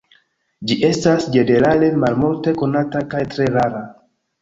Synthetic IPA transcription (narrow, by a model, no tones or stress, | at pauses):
d͡ʒiʔe̞stasd͡ʒe̞ne̞ɾale̞malmulte̞ko̞natakajtɾe̞ɾaɾa